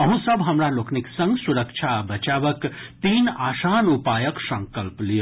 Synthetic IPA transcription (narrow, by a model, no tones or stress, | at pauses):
əɦũsəbʱɦəmɾalokʰniksə̃ŋɡsuɾəkt͡ʃʰabət͡ʃaʋəkt̪iːnaːsanupajəksə̃ŋkəlplijo